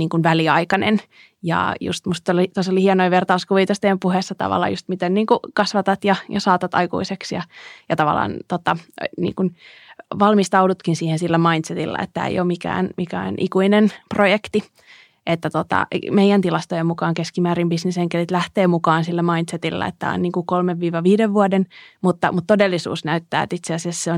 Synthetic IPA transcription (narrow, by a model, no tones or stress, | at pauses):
niːŋkunʋæliɑikɑnḛn | jɑ̰jṵst̪must̪ːolit̪osolihienoiʋert̪ɑuskuʋit̪ost̪empuhesːɑt̪ɑ̰ʋɑ̰lːˑɑ̰just̪mit̪enniːŋkukɑsʋɑt̪ɑt̪jɑjɑsɑːt̪ɑt̪ɑikṵiseksjɑjɑt̪ɑʋɑ̰lɑ̰ːnt̪ot̪ɑnḭːŋkunʋɑlmist̪ɑudut̪kinsiːhensilːæmɑint̪set̪ilːɑ̰ḛt̪ːæḛjoːmikæ̰ːnmikæ̰ːnʔikuinenprojekt̪i | ʔet̪ːæt̪ot̪ɑ̰meijænt̪ilɑst̪ojemmukɑːŋkeskimæːɾimbisneseŋkelit̪læht̪eːmukɑːnsilːæmɑint̪set̪ilːɑ̰ḛt̪ːæ̰o̰nniːŋkukolmeʋʋiːʋɑʋiːdeʋʋuɑdenmut̪ːɑmut̪t̪odelːisṵːsnæyt̪ːæ̰ːḛt̪it̪seæsesseon